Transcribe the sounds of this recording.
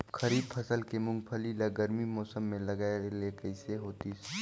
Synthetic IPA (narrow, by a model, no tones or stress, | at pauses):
xɐɾiːb̪̚pʰɐsəlkemʊ̃ŋɡpʰəlilaɡɐɾmimɔːsəmːẽlɐɡaːelekəɪseɦoːt̪is